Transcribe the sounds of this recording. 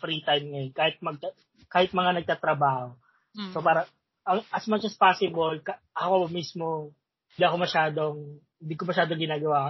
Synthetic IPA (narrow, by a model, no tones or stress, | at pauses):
fɾit̪ajmŋɐjokaːhɪt̪̚mɐɡ̚t̪a | kaːhɪt̪̚mɐŋanɐɡ̚t̪at̪ɾɐbaːho̞ | sopaːɾɐ | ɐŋʔɐsmɐt͡ʃɐspaːsɪbolkɐʔɐkomismo̞ | ɪnd̪iɐko̞mɐʃaːd̪oŋ | ɪnd̪ikomɐʃaːd̪oŋɡɪnaːɡɐwaːkɐ